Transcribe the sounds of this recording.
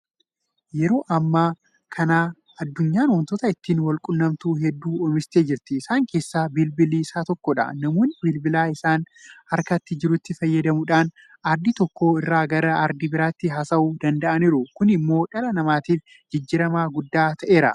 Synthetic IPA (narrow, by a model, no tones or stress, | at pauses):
jɛɾo̞ːʔɐmːaː | kʰɐnaː | ɐd̪ːʊɲːaːnwɔnt̪ɔt̪ɐɪt̪ːiːnwɐlkʼʊnːɐmt̪uɦɛd̪ːuːɔmɪst̪e̞ːd͡ʒɪɾt̪ɪːsaːŋke̞ːsːaːbɪlbɪliːsaːt̪ɔkːɔᶑɐ̰nɐmo̞ːnːɪbɪlbɪlaːɪsaːn | hɐɾkɐt̪ːɪd͡ʒɪɾʊt̪ːɪfɐjːɐd̪ɐmʊᶑaːn | ɐɾd̪ɪt̪ɔkːo̞ːɪrːaːɡɐɾɐɐɾd̪ɪbɪɾaːt̪ːɪɦɐsɐuːd̪ɐnd̪ɐʔɐniːɾʊkʊnɪmːo̞ːᶑɐlɐnɐmaːt̪iːf | d͡ʒɪd͡ʒːɪɾɐmaːɡʊd̪ːaːt̪ʰɐʔe̞ːɾɐ̰